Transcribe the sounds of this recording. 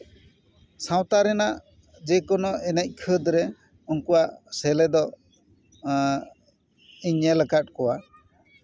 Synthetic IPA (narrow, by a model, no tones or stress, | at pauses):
sãw̃t̪aɾɛnaʔ | d͡ʒɛkɔnɔɛnɛc̚ˀkʰəd̪ɾɛ | unkuwaʔsɛlɛd̪ɔ | iɲɛləkat̚kɔwa